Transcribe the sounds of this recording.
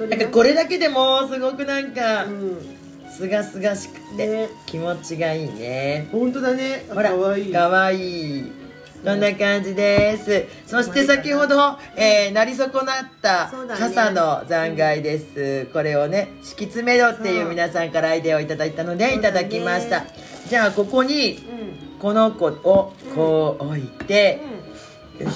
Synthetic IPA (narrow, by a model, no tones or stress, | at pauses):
ãkako̞ɾe̞d̪ake̞d̪e̞mo̞sɨɡo̞kɯ̟nãŋka | sɨɡasɨɡaɕi̥kɯ̟̥t̪ːekʲimo̞t͡ɕiɡaiːnehõnt̪oneho̞ɾakaβaiː | sõ̞nːakãɲ̟d͡ʑid̪e̞sɨ | so̞ɕi̥t̪e̞sakʲiho̞d̪o̞ | eːnaɾʲiso̞ko̞nat̪ːakasano̞zãŋɡaid̪e̞sɨko̞ɾe̞o̞ne̞ɕi̥kʲit͡sɨme̞d̪o̞t̪ːe̞jɯ̟ːmʲinasãŋkaɾaːid̪e̞o̞it̪ad̪ait̪ano̞d̪e̞it̪ad̪akʲimaɕi̥t̪a | d͡ʑaːko̞ko̞ɲ̟i | ko̞no̞kookʰoːoit̪e̞